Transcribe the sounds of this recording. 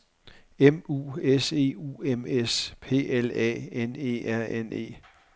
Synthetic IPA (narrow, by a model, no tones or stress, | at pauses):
emṵːese̝̰ṵːemespʰe̝̰ːelɛ̰ːene̝̰ːæɐ̰ʔene̝̰ː